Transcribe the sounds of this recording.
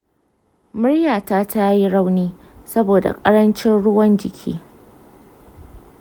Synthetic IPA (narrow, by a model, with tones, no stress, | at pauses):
mʊ˦ɽjaː˨taː˦tʰa˦ji˦ɽa˦wniː˦ | sɐ˦boː˨da̰˨kʼɐ˦ɽɐ˦nt͡ʃɪ˦nɽʊ˦wɐ˦nd͡ʒɪ˨kʲʰḭː˦